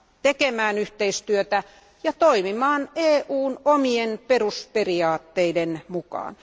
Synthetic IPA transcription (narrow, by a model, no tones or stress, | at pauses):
t̪ekemæːnyht̪eist̪yøt̪æ | jɑt̪oimimɑːneːʔuːnomienperusperiɑːt̪ːeidenmukɑ̰ːn